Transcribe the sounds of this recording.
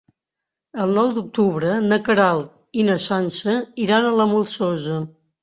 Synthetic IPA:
əlˠnɔwd̪uk̚t̪uβɾənəkəɾalˠt̪ | inəsansəiɾanələmulˠsɔzə

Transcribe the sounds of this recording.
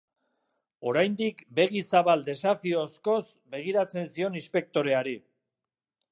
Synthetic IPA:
o̞ɾajnd̪ikbe̞ɣisaβald̪e̞safioːsko̞s | be̞ɣ̞iɾat͡se̞nsio̞nispe̞k̚t̪o̞ɾe̞aɾi

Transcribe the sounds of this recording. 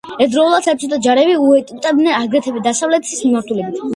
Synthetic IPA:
ɛd̪ɾɔulˠad̪sɛp̚t͡ʃsʰɛt̪ʼad͡ʒaɾɛbiuɛt̪ʼit̪ʼɛbnɛnaɡɾɛt̪ʰɛbɛd̪asavlɛt̪ʰsismimaɾt̪ʰulɛbit̪ʰ

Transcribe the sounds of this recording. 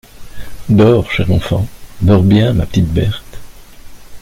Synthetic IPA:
d̪ɔːʁʃɛʁɑ̃fɑ̰̃d̪ɔʁbjɛ̃mapə̥t̪it̪̚bɛʁt̪

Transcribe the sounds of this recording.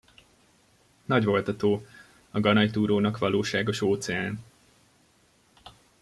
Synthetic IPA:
nɒɟvo̞lt̪ɒt̪oː | ɒɡɒnɒjt̪uːɾoːnɒkʋɒloːʃaːɡo̞ʃoːt̪sɛaːn

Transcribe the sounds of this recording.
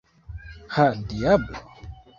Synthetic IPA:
hadiabla̰

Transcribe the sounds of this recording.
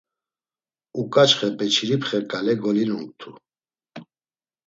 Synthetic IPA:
ukʼat͡ʃχɛpʼɛt͡ʃʰiɾipʰχɛkʼalɛɡɔlinuŋkt̪ʰu

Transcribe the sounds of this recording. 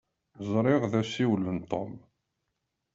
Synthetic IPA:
zˤɾˤɪʁðæsiwlːənt̪ˤo̰m

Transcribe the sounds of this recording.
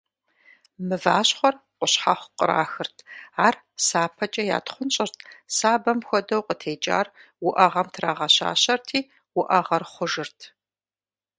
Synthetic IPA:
mɨvaːɕχʷɔrqʷʊɕħaχʷqʼə̰ɾa̰ːxɨrtʰaːr | saːpʰɐt͡ʃʼɐja̰ːtχʷʊnt͡ʃʼɪrtʰsaːbɐmxʷɔdɐwqʼətʰeːt͡ʃʼa̰ːr | wʊʔɐʁɐmtʰraːʁɐɕa̰ːɕɐrtʰiː | wʊʔɐʁɐrχʷʊʒɨrtʰ

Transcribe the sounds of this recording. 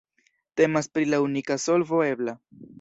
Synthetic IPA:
te̞maspɾilaunikaso̞lvo̞e̞bla

